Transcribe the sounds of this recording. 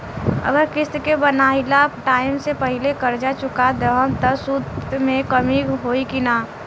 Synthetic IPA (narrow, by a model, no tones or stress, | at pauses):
ə̰ɡəɾkɪskebənaːɦɪlapʈaːɪmsepəɦɪlekəɾd͡ʒat͡ʃʊkad̪əɦəmt̪əsud̪mẽkəmiɦoːikinaː